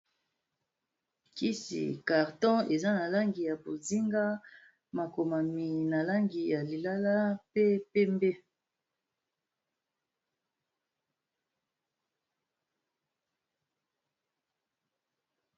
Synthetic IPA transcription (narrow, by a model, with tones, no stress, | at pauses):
ki˦sḭ˨ka˨ʁtɔ̃˦e˨za˦na˨la˦ŋɡi˨ja˨bo˨zi˦ŋɡa˦ | ma˨ko˨ma˨mi˨na˨la˦ŋɡi˨ja˨li˨la˦la˦pe˦pe˦mbe˦